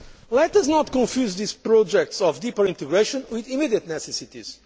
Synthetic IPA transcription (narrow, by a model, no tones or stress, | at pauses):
lɛt̪aznɔt̪kɔ̃nfjuzðizpɾɔd͡ʒɛk̚tsɔvd̪ipəɾĩnt̪ɨɡɾeʃɔ̃nwiðimidiət̪nɛsɛsit̪iz̥